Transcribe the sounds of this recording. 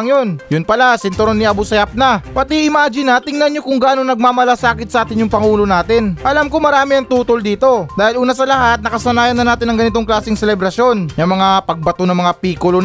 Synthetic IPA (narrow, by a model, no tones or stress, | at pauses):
ŋjo̞njʊnpɐlasɪnt̪oɾonːiʔɐbusɐjap̚nɐpɐt̪iʔɪmaːd͡ʒɪnɐt̪ɪŋnɐnɲo̞kʊŋɡaːno̞nɐɡ̚maːmɐlasaːkɪt̪̚sɐʔaːt̪ɪnjʊŋpɐŋuːlo̞naːt̪ɪnʔɐlamkomɐɾaːmɪɐŋt̪uːt̪old̪iːt̪o̞d̪aːhɪlʔuːnɐsɐlɐɦat̪̚nɐkɐsɐnaːjɐnːɐnaːt̪ɪnɐŋɡɐnɪt̪o̞ŋklaːsɪŋsɛlɛbɾɐsjo̞njɐŋmɐŋapɐɡ̚bɐt̪onɐŋmɐŋapiːkolo